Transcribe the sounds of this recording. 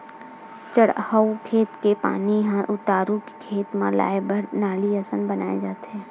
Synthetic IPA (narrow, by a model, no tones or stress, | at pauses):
t͡ʃəɽhəukʰeːt̪kepa̰ːniɦãʔʊt̪aːɾukkʰeːt̪mã̰la̰ːjbəɾnaːliəsənbəna̰ːed͡ʒaːt̪ɛ̃